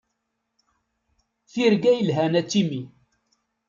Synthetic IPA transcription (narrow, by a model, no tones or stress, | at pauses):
θiɾɡæjəlɦænæt͡sːimi